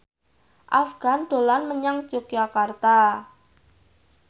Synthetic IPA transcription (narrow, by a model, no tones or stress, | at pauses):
ʔafɡ̥a̤nd̪̥o̤lanməɲaŋ̥d͡ʒ̥oɡ̥d͡ʒakart̪a